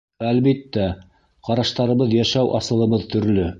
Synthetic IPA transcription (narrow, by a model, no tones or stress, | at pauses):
ælβit̪ːæ | qɑɾɑʃt̪ɑɾɤ̆βɤðjæʃæwʔɑsɤ̆lˠɤ̆βɤðt̪ɵ̆ɾlɵ